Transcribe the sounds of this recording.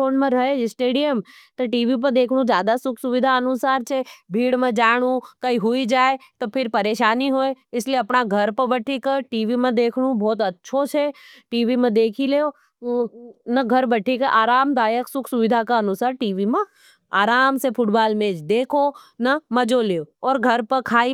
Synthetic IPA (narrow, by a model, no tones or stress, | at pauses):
oːnmẽɾɐɦeɪsʈeːɖijəm | t̪ɐʈiːʋip̬əɾd̪eːkʰɽ̃ũd͡ʒjaːd̪asʊkʰsʊʋɪd̪ʱaɐnʊsaːɾt͡ʃʰebʱiːɽmẽd͡ʒaːɽ̃ũkaiɦʊid͡ʒaːet̪opʰɪɾpɐɾeːʃaːniɦoːeɪslieɐpɳaɡʱɐɾpəbɐʈʰikəʈiːʋimẽd̪eːkʰɽ̃ũbʱɔːt̪ɐtːʃʰot͡ʃʰeʈiːʋimẽd̪eːkʰileːo | nɐɡʱɐɾbɐʈʰikɐʔaːɾaːmd̪aːjəksʊkʰsʊʋɪd̪ʱakaɐnʊsaːɾʈiːʋimẽ | aːɾaːmsepʰʊʈbaːlmẽːd͡ʒd̪eːkʰonɐmɐd͡ʒoleːoɔːɾɡʱɐɾpɐkʰaːi